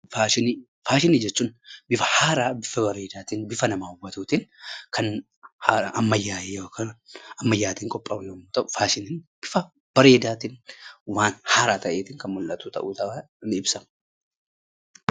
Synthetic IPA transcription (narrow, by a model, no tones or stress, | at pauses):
faːʃɪni | faːʃɪniːd͡ʒɛt͡ʃːuːnbɪfɐ̥haːɾaːbɪfɐbɐɾe̞ːd̪aːt̪iːnbɪfɐnɐmaːhʊbːɐt̪uːt̪inkʰɐn | haːɾʔɐmːɐjːaːeoːkʰɐɐmːɐjːaːt̪iːŋkʼɔpʼːɐʊnɐmuːt̪ɐʔʊ̥faːʃɪniːnb̥ɪfɐ | b̥ɐɾe̞ːd̪aːt̪inwaːnhaːɾaːt̪ɐʔeːt̪ɪŋkɐnmʊlʔɐt̪uːt̪ɐʔuːt̪ɐɐ | nɪɪbsɐm